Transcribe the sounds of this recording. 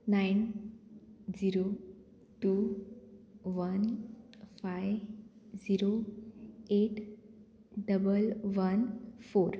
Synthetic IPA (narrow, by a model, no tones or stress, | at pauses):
nain | d͡ziɾo | ʈu | ʋən | fajd͡ziɾo | eʈ | ɖəbəlʋənfoːɾ